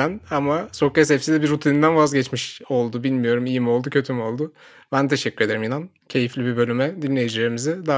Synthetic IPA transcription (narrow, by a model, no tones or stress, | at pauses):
ænamaso̞kɛsɛfsid̪ɛbiɾːut̪ʰinind̪ænvazɟɛt͡ʃmiʃo̞lˠd̪ubilʲmijo̞ɾumijimo̞lˠd̪ucʰø̞t̪ʰymo̞lˠd̪ʊ | bænt̪ʰeʃɛcʰːyɾed̪eɾimjinan | cʰe̞jiflʲibibø̞lʲymɛd̪inlʲːe̞jid͡ʒilʲe̞ɾimizɪd̪a